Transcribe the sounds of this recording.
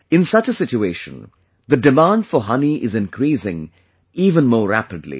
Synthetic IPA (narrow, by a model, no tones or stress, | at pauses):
ɪ̃nsʌt͡ʃəsɪt͡ʃueɪʃə̃n | ðəɖɨmãːnɖfəɦʌniʔɪzɨ̃nkʰɾiːsɪ̰̃ŋ | iːvə̃nmoːɾæ̰pɨdˡlḭ